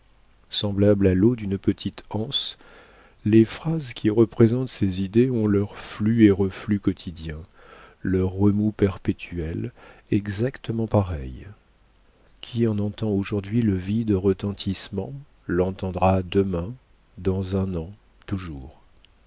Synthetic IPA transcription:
sɑ̃blablalod̪ynpət̪ʰit̪ɑ̃s | lefχazkʲʰiʁəpχezɑ̃t̪sezid̪eɔ̃lœʁflyeʁəflykɔt̪ʰid̪jɛ̃ | lœʁːəmupɛʁpet̪ʰyɛlɛɡzakt̪əmɑ̃paʁɛj | kʲʰiɑ̃nɑ̃t̪ɑ̃oʒuʁd̪ɥiləvid̪ʁət̪ɑ̃t̪ʰismɑ̃ | lɑ̃t̪ɑ̃d̪ʁad̪əmɛ̃ | d̪ɑ̃zɛ̃nɑ̃ | t̪uʒuːʁ

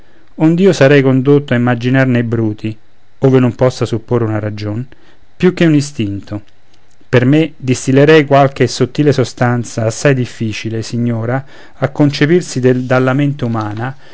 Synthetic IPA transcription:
ond̪iːosaɾɛjkond̪ot̪ːoaimːad͡ʒinarnejbɾuːt̪ʰi | oːvenompɔsːasupːorːeunaɾad͡ʒon | pjuk̟ːeunist̪int̪ʰo | permed̪ist̪ilːeɾɛjkwalk̟esot̪ːiːlesost̪ant̪saːsːajd̪ifːiːt͡ʃilesiɲːoːɾa | akːont͡ʃepirsid̪ed̪alːament̪eumaːna

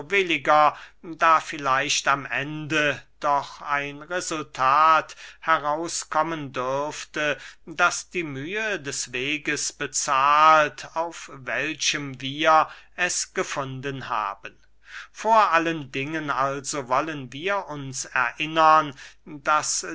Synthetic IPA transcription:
bɪlɪɡɐdaːfɪlaɪʃtamʔɛndəd̥ɔχaɪnʁezʊltʰaːthɛʁaʊskʰɔməndʏɐftədasd̥iːmyːədɛsv̥eːɡəsb̥ət͡saːltaʊfv̥ɛlʃəmviːɐʔɛsɡ̥əfʊndənha̰ːbən | foːɐʔaləndɪŋənalzovɔlənviːɐʔʊnsɛ̰ɐʔɪnɐndas

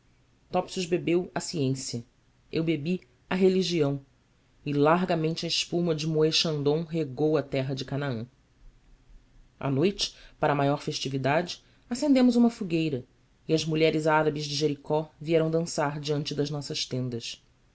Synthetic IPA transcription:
t̪ɔpsuzbebewɐsiẽsiɐ | ewbebi | ɐɦeliʒiɐ̃w̃ | ɪlaɾɡɐmẽnt͡ʃɪɐɪʃpumɐd͡ʒɪmoeʃɐ̃nd̪õw̃ɦeɡowɐt̪ɛɦɐd͡ʒɪkanaɐ̃ | a̰nojt͡ʃɪ̥paɾɐmajɔɾfeʃt͡ʃivid̪ad͡ʒɪ | asẽnd̪ẽmʊzũmɐfuɡejɾɐ | ɪɐzmuʎɛɾɪzaɾɐbɪzd͡ʒɪʒeɾikɔviɛɾɐ̃w̃d̪ɐ̃saɾd͡ʒiɐ̃nt͡ʃɪd̪ɐʒnɔsɐʃt̪ẽnd̪ɐʃ

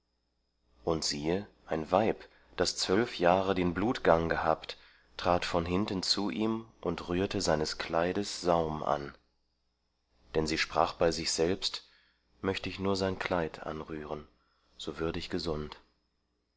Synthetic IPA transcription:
ʔʊntz̥iːəʔaɪnvaɪp | d̥ast͡sv̥œlfjaːʁədeːnbluːtɡ̥aŋɡəɦaːpt | tʁ̥aːtfɔnɦɪntn̩t͡suʔiːmʔʊntʁyːɐtəzaɪnəskʰlaɪdəsz̥aʊmʔa̰n | d̥ɛnziːʃpʁ̥aːχb̥aɪzɪçz̥ɛlpst | mœçtəɪçnuːɐzaɪnkʰl̥aɪtʰʔa̰nʁyːʁən | z̥oːvʏɐdəɪçɡ̥əzʊnt

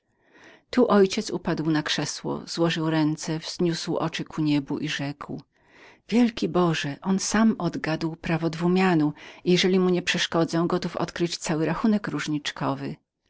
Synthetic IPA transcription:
t̪uʔɔjt͡ɕɛt̪supad̪wnakʂɛswɔ̰z̥wɔʐɘwɾɛnt̪sɛvz̥ɲuswɔ̰t͡ʂɘkʰuɲɛbuʔiʐɛkw | vʲjɛlkʲibɔʐɛʔɔnsamɔd̪ɡad̪wpɾavɔd̪vumʲjanuijɛʐɛlʲimuɲɛpʂɛʂkɔd̪zɛ̃ɡɔt̪ufɔ̰t̪kɾɘt͡ɕt̪sawɘɾaxunɛkɾuʐɲit͡ʂkʰɔvɘ

